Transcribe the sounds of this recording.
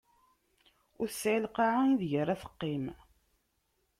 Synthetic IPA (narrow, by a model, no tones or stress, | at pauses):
ʊɾəsːʕɪlqɑʕanðʝəɾæθə̥qːim